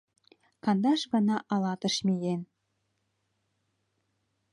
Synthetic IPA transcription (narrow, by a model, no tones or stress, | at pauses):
kɑnd̪ɑʃɡɑ̆nɑʔɑlˠɑt̪ə̆ʃmijen